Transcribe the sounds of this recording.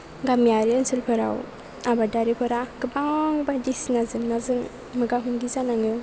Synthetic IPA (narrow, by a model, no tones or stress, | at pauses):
ɡamiaɾiansɯlpʰɯɾa̰w | abadaɾipʰɯɾaɡɯbaŋbadisnazɯŋnazɯŋ | mɯɡaɦʰɯmɡizanaŋɯ